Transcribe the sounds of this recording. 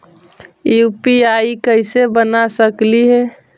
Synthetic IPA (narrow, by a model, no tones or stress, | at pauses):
jjpiaikəɪsebənasəkliɦɛ